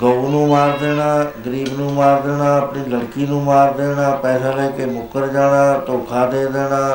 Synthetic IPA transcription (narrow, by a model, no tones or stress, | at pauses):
ɡəunũːmaːɾd̪eːɽaːɡəɾiːbnũːmaːɾd̪eːnãːəpɳiːləɽkiːnũːmaːɾd̪eːnãːpɛːsãːləːkemʊkəɾd͡ʒaːnãːt̪oːkʰaːd̪eːd̪eːnãː